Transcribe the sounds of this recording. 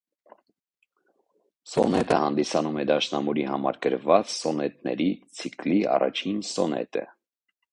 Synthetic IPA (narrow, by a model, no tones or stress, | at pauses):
sɔnɛt̪əhɑnd̪isɑnumɛd̪ɑʃnɑmuɾihɑmɑɾɡəɾvɑt͡ssɔnɛt̪nɛ̰ɾit͡sʰikliɑ̰rɑ̰t͡ʃʰinsɔnɛ̰t̪ə̰